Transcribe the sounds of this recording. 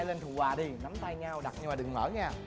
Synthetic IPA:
le˧nt̪ʰu˨˩waː˨˩ɗi˧na˨˦mt̪a˧jɲaː˧wɗa˨˩t̚ɲɨ˧maː˨˩ɗɨ˨˩ŋəː˧˩˦jɲaː˧˩

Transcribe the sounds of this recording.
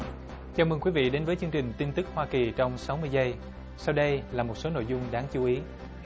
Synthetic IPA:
t͡ɕaː˨˩mə˨˧˩kwi˨˦vḭ˧˨ɗe˨˦nvəː˨˦jt͡ɕɨ˧əŋt͡ɕï˨˩ŋ̟t̪i˧nt̪ɨ˦˥k̚hwaː˧ki˨˩t͡ɕɔ˧wŋ͡msa˨˦wmɨ˧əjzə˧j | sa˧wɗə˧jlaː˨˩mo˨˩t̚so˨˦no̰˧˨jzʊ˧ŋ͡mɗaː˨˦ŋt͡ɕu˨˦ʔi˨˦

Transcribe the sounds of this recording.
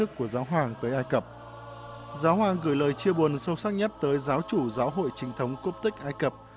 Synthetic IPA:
ɨ˦˥kːu˧˩əzaː˨˦wɦaː˨˩ŋt̪əː˨˦jʔaː˧jkə˨˩p̚ | zaː˨˦wɦwaː˨˩ŋɣɨ˧˩jləː˨˩jt͡ɕi˧əɓu˨˩ənsə˧wsaː˦˥k̚ɲə˦˥t̚t̪əː˨˦jzaː˨˦wt͡ɕu˧˩zaː˨˦wɦo̰˧˨jt͡ɕï˨˦ŋt̪ʰə˨˦wŋ͡mku˦˥p̚t̪ï˥k̟̚ʔaː˧jkə˨˩p̚

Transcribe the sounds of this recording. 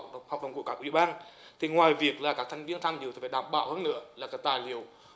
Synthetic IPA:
ha˨˩w̚ɗə˨˩ŋ͡mku˧˩əkaː˦kʔḭ˧˩˨ɓaː˧nt̪ʰi˨˩ŋwaː˨˩jvi˨˩ək̚laː˨˩kaː˦˥k̚t̪ʰjŋ̟vi˧ənt̪ʰŋɗi˨t̪i˨˩faː˧˩ɗaː˧˩mɓa̰ː˧˨whəː˧nːɨ̰˧˥əlaː˨˩kaː˦˥k̚t̪aː˨˩jli˨˧˩əw

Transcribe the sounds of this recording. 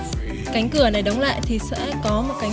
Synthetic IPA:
ka˨˦jŋ̟kɨ˧˩əna˨˩jɗə˨˦wŋ͡mla̰ː˧˨jt̪ʰi˨˩sɛ̰˧˥kɔ˨˦mo˨˩t̚ka˨˦ŋ

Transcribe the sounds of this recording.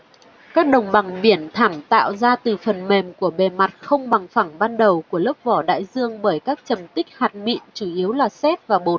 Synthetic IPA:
kaː˦˥k̚ɗə˨˩wŋ͡mɓa˨˩ŋɓi˧˩ənt̪ʰa˧˩mt̪a̰ː˧˨wzaː˧t̪ɨ˨˩fə˨˩nme˨˩mku˧˩əɓe˨˩ma˨˩t̚xə˧wŋ͡mɓa˨˩ŋfa˧˩ŋɓaː˧nɗə˨˩wku˧˩ələ˦˥p̚vɔ˧˩ɗa̰ː˧˨jzɨ˧əŋɓəː˧˩jkaː˦˥k̚t͡ɕə˨˩mt̪ï˦˥k̟̚haː˨˩t̚mḭ˧˨ənt͡ɕu˧˩ʔi˨˦əwlaː˨˩sɛ˦˥t̚vaː˨˩ɓo˨˩t̚

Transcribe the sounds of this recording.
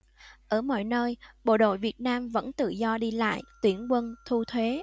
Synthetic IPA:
ʔəː˧˩mɔ̰˧˨jnəː˧jɓo̰˧˨ɗo̰˧˨jvi˨˩ət̚naː˧mvə̰˧˥nt̪ɨ̰˧˨zɔ˧ɗi˧la̰ː˧˨jt̪wi˧˩ənkwə˧nt̪ʰu˧t̪ʰwe˨˦

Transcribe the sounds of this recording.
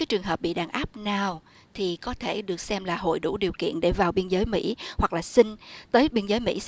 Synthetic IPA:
aː˨˦jt͡ɕɨ˨˩əŋɦəː˨˩p̚ɓḭ˧˨ɗaː˨˩ŋʔaː˦˥p̚naː˨˩w | t̪ʰi˨˩kɔ˨˦t̪ʰe˧˩ɗɨ˨˩ək̚sɛ˧mlaː˨˩ɦo̰˧˨jɗu˧˩ɗi˨˩əwkḭ˧˨ənɗe˧˩vaː˨˩wɓi˧ənzəː˨˦jmḭ˧˥hwa˨˩k̚laː˨˩sï˧ŋ̟t̪əː˨˦jɓi˧nzəː˨˦jmḭ˧˥

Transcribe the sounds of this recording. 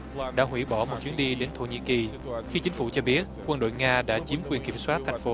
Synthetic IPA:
ɗa̰ː˧˥ɦwḭ˧˩ɓɔ˧˩mo˨˩t̚t͡ɕi˨˦ənɗi˧ɗe˨˦nt̪ʰo̰˧˩ɲḭ˧˨ki˨˩ | xi˧t͡ɕï˨˦ŋ̟fu˧˩t͡ɕɔ˧ɓi˦˥ət̚kwə˧nɗo̰˧˨jŋaː˧ɗa̰ː˧˥t͡ɕi˨˦əmkwi˧ənki˧˩əmswaː˦˥t̚t̪ʰa˨jŋ̟fo˨˦

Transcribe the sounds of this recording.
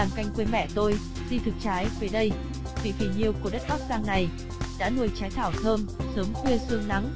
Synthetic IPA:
aː˨˩mka˧jŋ̟kwe˧nmɛ̰˧˩t̪o˧j | zi˧t̪ʰɨ˨˩k̚t͡ɕaː˨˦jvəː˨˦jɗə˧j | vḭ˧˩fi˨˧˩ɲi˨˩əwku˧˩ɗə˦˥t̚kɔ˦˥k̚zaː˧ŋna˨˩j | ɗa̰ː˧˥nu˧˩jt͡ɕaː˨˦jt̪ʰaː˧˩wt̪ʰəː˧msəː˨˦mkwi˧əsɨ˧əŋna˨˦ŋ

